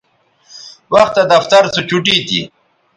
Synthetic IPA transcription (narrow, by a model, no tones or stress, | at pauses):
wɐxt̪ːad̪ɐft̪aɾt͡sot͡ɕuʈit̪ḭ